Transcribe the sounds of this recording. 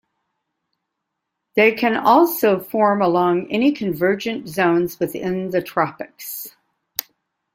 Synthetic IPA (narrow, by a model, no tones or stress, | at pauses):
ðeɪkʰɨ̃nɔlˠsoʊfɔɹməlɔ̃ŋɛnikʰɨ̃ɱvɜ˞d͡ʒɨ̃nz̥õʊ̃nzwɨðɪ̃nðɨtʰɹ̥ɑpɨks